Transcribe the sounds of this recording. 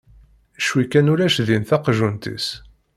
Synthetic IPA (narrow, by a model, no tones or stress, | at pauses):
ʃwikænuɾæʃðinθɑqʒunt̪ḭs